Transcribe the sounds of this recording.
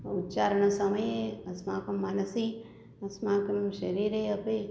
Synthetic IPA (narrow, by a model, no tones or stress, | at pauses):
ut̪t͡ʃaːɾɳ̃ɐsɐməjeɐsmaːkɐmːaːnɐsi | ɐsmaːkɐmʃɐɾiːɾeɐpe